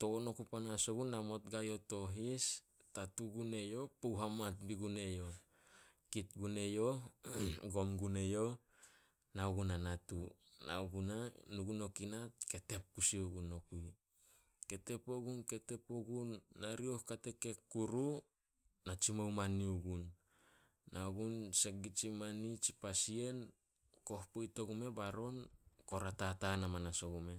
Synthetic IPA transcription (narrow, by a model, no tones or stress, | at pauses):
to̞ono̞kupanasoɡunamo̞tɡajo̞to̞ɦis | tatuɡune̞jo̞powɦamat̚biɡune̞jo | kit̚ɡune̞jo | ɡo̞mɡune̞jo | nauɡunanatuna̰uɡunanuɡuno̞kinat̚ke̞te̞p̚kusiuɡuno̞kuj | ke̞te̞poɡunke̞te̞poɡunːaɾiohkate̞ke̞kːuɾu | nat͡ʃimawmaniuɡunː | auɡunsek̚ɡit͡ʃimanit͡ʃipasie̞n | ko̞hpojto̞ɡume̞baɾo̞nko̞ɾatatanamanaso̞ɡume̞